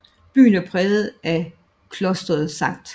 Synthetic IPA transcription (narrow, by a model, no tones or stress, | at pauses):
b̥y̰ːnæɐpʰʁɛːðð̩ˠæ | kʰlɔ̽sd̥ʁɐð̩ˠsɑ̈ŋ̰d̥